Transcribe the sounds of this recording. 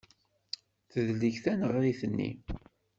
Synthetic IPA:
θəðliçθænəʁɾiθənːḭ

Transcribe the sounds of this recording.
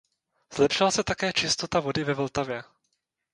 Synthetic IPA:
z̥lɛpʃɪlasɛt̪akɛːt͡ʃɪst̪o̞t̪avo̞dɪvɛvlt̪avjɛ

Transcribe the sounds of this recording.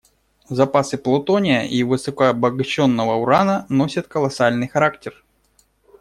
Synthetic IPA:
zɐpasɨplˠʊt̪onʲɪjəʔivɨsəkəbəɡɐɕːo̞nːəvəʊɾanəno̞sʲət̪kəlˠɐsalʲnɨjxɐɾaktʲɪr

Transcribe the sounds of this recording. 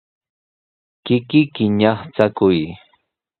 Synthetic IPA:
kɪkɪkɪɲɑχt͡sakʊj

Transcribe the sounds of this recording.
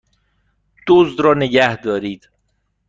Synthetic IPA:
d̪̥oːzd̪ɾɒːneɟæhd̪ɒːɾiːd̪̥

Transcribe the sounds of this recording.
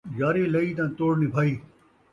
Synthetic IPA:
jaːɾeːlɐiːt̪ãːt̪oːɽnibʱaːiː

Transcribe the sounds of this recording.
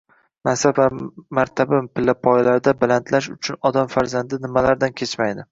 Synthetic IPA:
masavamaɾt̪ʰabampʰɪlːapʰɒjlaɾd̪abalant̪ʰlaʃ̬ʊt͡ʃʰʊnɒd̪amfaɾzand̪ɪnɪmalaɾd̪ankʲʰe̞t͡ʃmajd̪ɪ

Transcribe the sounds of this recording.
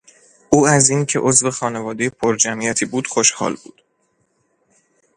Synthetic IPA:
ʔuːæziːncʰe̞ʔo̞zve̞xɒːne̞vɒːd̪ejepʰoɾd͡ʒæmijæt̪ʰiːbuːd̪̥xoʃhɒ̰ːlbṵːd̪̥

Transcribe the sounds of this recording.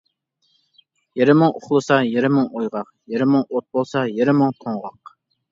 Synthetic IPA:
jeɾɪmɨŋoχlˠɨsɑjeɾɪmɨŋojʁɑq | jeɾɪmɨŋot̪̚bolˠsɑjeɾɪməŋt̪ʰoŋʁɑq̚

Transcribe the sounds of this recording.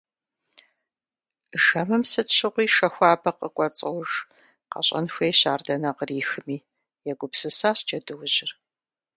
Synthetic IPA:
ʒɐmɨmsɨtɕɪʁʷiːʃɐxʷaːbɐqəkʷʼɔt͡sʼɐwʒ | qɐ̰ɕʼɐ̰nxʷeːjɕaːrdɐnɐqəriːxɨmiː | jɛɡʷʊpsɨsaːɕd͡ʒɐdɨwʑɪr

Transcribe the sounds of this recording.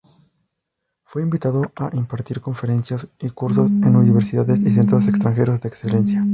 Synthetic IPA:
fwe̞imbit̪aðo̞aʔimpaɾt̪iɾko̞ɱfe̞ɾe̞nsjasikuɾso̞se̞nuniβ̞eɾsiðaðesis̬e̞nt̪ɾosekst̪ɾaŋxe̞ɾozðeːkse̞le̞nsja

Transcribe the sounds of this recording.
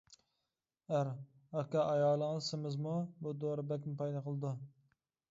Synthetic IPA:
æɾ | ɑkʲɑʔɑjɑːlˠəŋɨzsɪmɪzmubud̪oɾɨbɛkʲmɪpɑjd̪ɑqʰəlˠɨd̪u

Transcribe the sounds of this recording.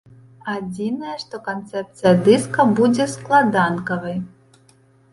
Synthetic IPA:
ad͡zʲinɐjɐʂt̪ɔkant̪sɛp̚t̪sɨjɐd̪ɨskɐbud͡zʲɛsklˠad̪ankɐvɐj

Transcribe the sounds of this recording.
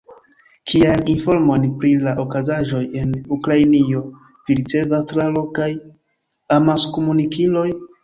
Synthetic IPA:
kʰiajninfo̞ɾmo̞npɾilaʔokazaʒo̞je̞nukɾajnio̞ | viɾit͡se̞vastɾalo̞kaj | amaskomunikilo̞j

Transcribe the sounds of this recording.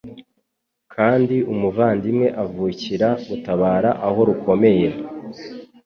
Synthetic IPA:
kʰaːndiumuvaːndimŋe̞ʔavuːciɾautaβaːɾaʔaho̞ɾuko̞me̞je̞

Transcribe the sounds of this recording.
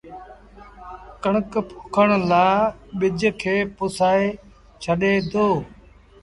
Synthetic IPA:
kəɳəkpʰʊkʰəɳlaːɓɪd͡ʒkʰeːpʊsaːe | t͡ʃʰəɗeːd̪oː

